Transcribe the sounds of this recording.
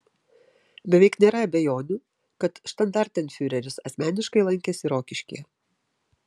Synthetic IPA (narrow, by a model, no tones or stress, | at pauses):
bʲɛʋʲɛɪknʲeːɾɐɐbʲɛjoːnʲʊ | kɐt̪ʃt̪ɐnd̪ɑɾʲt̪ʲɛnfʲyɾʲɛɾʲʊsɐsʲmʲæːnʲɪʃkɐɪlˠɐŋʲkʲɛsʲɪɾoːkʲɪʃʲkʲḭ